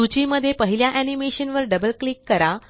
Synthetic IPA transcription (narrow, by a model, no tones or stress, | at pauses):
ut͡ɕiməd̪ʱːjepəɦiljaʔænimeɕənʋəɾɖəbəlklikːəɾa